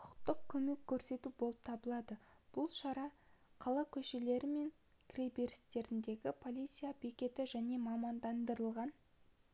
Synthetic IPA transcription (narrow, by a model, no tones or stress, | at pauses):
qʰʊqt̪əq̚kʲʰɵme̞kʲʰːɵɾse̞t̪ubolˠəp̚t̪ʰɑbəlˠɑd̪ə | b̥ʊlˠʃɑɾɑ | qʰɑlˠɑkʲʰɵʃe̞le̞ɾɪme̞ŋ | kʲʰre̞jbe̞ɾɪst̪e̞ɾɪnd̪e̞ɡʲɪpʰo̞lʲˠit̪sijabe̞kʲe̞t̪ɪʒæne̞mɑmɑnd̪ɑnd̪əɾəlˠʁɑn